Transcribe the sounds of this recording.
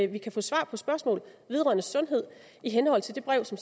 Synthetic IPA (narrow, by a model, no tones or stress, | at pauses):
ʋikʰæfɔ̰̽ːsʋɑ̰̈ːpʰɒ̽sb̥ɶɐsmɔ̰̽ːlʋe̝ð̞ˠʁɶ̰ɐnəsɔ̽nɦe̝ð̞̰ˠ | iɦenhɒ̽l̰t͡sʰe̝ld̥e̝b̥ʁɛʊ̰sɒ̽ms